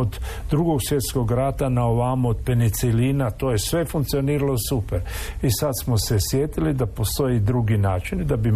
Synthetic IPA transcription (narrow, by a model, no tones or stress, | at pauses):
od̪d̪ɾuɡoɡsʋje̞t̪sko̞ɡɾat̪anaoʋaːmood̪̥penit̪silinat̪oːjesʋe̞fuŋkt̪sio̞niːɾalo̞supeɾisat̪smosesjet̪ilid̪apo̞st̪o̞jid̪ɾuɡinaːt͡ʃind̪abi